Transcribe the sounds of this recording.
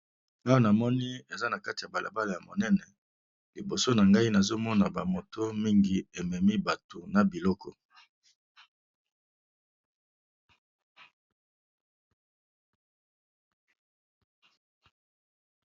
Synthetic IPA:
a˦wa˦na˨mɔ˦ni˦e˨za˦na˨ka˦ti˨a˨ba˨la̰˨ba˦la˨ja˨mo˨nɛ˦nɛ˨ | li˨bo˨so˦na˨ŋɡa˦i˦na˨zo˦mɔ˦na˨ba˨mo˨to˦mi˦ŋɡi˨e˨mɛ˨mi˦ba˨to˨na˨bi˨lɔ˦kʰɔ˨

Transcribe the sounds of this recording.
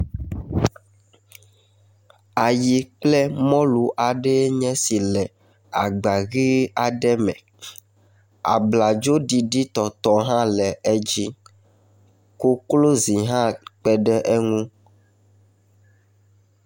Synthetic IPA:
a˨ji˨k͡plɛ˦mɔ̃˦lu˨ʔa˨ɖɛ˦ɲɛ̃˦si˨lɛ˨ | a˨ɡ͡ba˨ɣi˦a˨ɖɛ˦mɛ̰̃˨ | a̰˨bla˨d͡ʒo˦ɖi˨ɖi˦t̪ɔ˨t̪ɔ˦ɦã˦lɛ˨e˦d͡ʒi˦ | ko˦klo˦zi˨ɦã˦k͡pɛ˦ɖɛ˦ʔe˦ŋũ˦

